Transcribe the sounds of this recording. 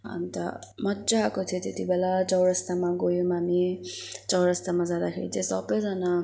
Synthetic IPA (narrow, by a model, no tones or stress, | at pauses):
ɦa̰mit̪ʌ̰mʌtzaɦakot̪ʰjot̪et̪ibelat͡sʌwɾʌst̪amaɡojomamit͡sʌwɾʌst̪amad͡zad̪akʰeɾḭt͡sẽsʌbʌjd͡zʌna